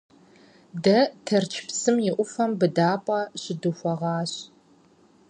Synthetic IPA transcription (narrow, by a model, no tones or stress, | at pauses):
dɐtʰɐrt͡ʃʰpsɨmjɪʔʷʊfɐmbɨdaːpʷʼɑɕɪduxʷɔʁɑːɕ